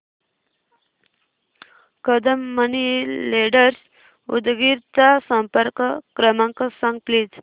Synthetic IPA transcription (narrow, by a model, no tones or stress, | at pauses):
kəd̪əmːənileɖəɾs | ṵd̪ɡiɾt͡sasə̃mpəɾkkɾəmãŋkəsãŋɡ̚pliːd͡z